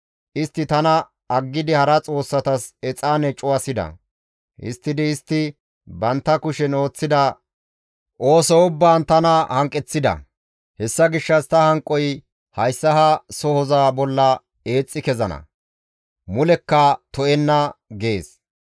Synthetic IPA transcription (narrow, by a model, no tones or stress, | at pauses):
ʔɪst̪ːɪt̪ɐnɐ | ɐɡːɪd̪ɪhɐɾɐt͡sʼo̞ːsːɐt̪ɐsɛt͡sʼːaːnɛt͡ʃʼʊwɐsɪd̪ɐ̰ | ʔɪ̰st̪ːɪd̪ɪːst̪ːɪ | bɐnt̪ːɐkʊʃɛno̞ːt͡sːɪd̪ɐ | ʔo̞ːsɔʊbːaːnt̪ɐnɐhɐŋkʼːɛt͡sːɪd̪ɐ̰ | hɛsːɐɡɪʃːɐst̪ɐhɐŋkʼːɔj | hɐjsːɐɦɐsɔhɔzaːbɔlːɐ | e̞ːt͡sʼːɪkɛzɐnɐ̰ | mʊlɛkːɐt̪ɔɛnːɐɡe̞ːs